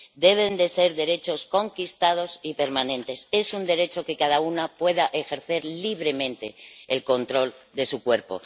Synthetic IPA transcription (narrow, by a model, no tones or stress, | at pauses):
d̪e̞βe̞nd̪e̞se̞ɾðe̞ɾe̞t͡ʃo̞sko̞ŋkist̪að̞o̞sipe̞ɾmanẽ̞nt̪e̞se̞sund̪e̞ɾe̞t͡ʃo̞ke̞kaðaunapwe̞ðaʔexe̞ɾθe̞ɾliβ̞ɾe̞mẽ̞nt̪e̞ːlko̞nt̪ɾo̞l | d̪e̞sukwe̞ɾpo̞̰